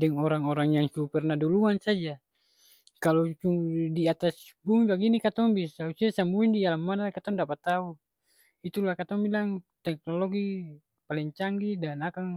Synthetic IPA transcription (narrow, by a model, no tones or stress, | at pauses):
dɛŋɔɾaŋɔɾaŋjaŋsupɛrnaduluansad͡ʒa | kalɔt͡ʃuŋdiat̪asbumibaɡinikat̪ɔŋbisausiasambuindialamːanakat̪ɔŋdapat̪au | it̪ulahkat̪ɔŋbilaŋt̪ɛk̚nɔlɔɡi | palɛŋt͡ʃaŋɡidanakaŋ